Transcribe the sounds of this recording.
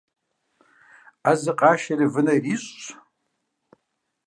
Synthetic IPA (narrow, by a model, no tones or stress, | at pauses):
azɨqʼaʃarivɨnajriɕʷʼt͡ʃʷʰ